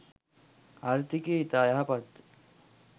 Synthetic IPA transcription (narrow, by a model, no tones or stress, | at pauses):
aɾt̪ʰikeit̪aːjaɦɐpɐt̪